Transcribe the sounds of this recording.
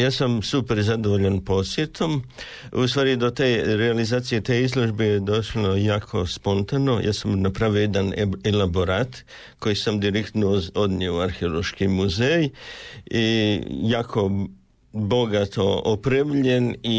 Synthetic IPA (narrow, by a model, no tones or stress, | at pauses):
jaːsamsupeɾzad̪oʋoʎanpo̞sjet̪ʰo̞m | ust̪ʋaːɾid̪ot̪eɾealizaːt̪sijet̪eizlˠo̞ʒbejed̪o̞ʃlojaːkʰo̞spo̞nt̪ano̞jʔa̰ːsamnapɾaːʋiojed̪anelaboɾat̪ | ko̞jisamd̪iɾekt̪nood̪njioaɾxeolo̞ʃkimuzej | ijaːkʰo̞ | bo̞ɡat̪ʰo̞opɾeʋʎeni